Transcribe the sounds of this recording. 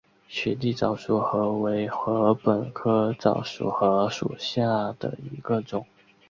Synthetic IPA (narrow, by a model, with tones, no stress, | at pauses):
ɕɛ˨˩t̪i˥˩t͡sɑ˨˩ʊʂu˨˩xɤ˧˥we˧˥ɪxɤ˧˥pə˨˩nkʰɤ˥t͡sɑ˨˩ʊʂṵ˨˩xɤ˧˥ʂṵ˨˩ɕja˥˩d̪̥ə̰˩i˧˥ɡ̥ə˧ʈ͡ʂʊ˨˩˦ŋ